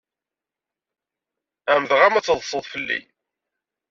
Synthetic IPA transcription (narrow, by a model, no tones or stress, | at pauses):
æmðʁæmæt͡sːðˤsˤəðˤfəlːḭ